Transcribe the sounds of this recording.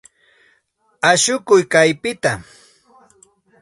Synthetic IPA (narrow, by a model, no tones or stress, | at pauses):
aʃʊkʊjkajpɪt̪a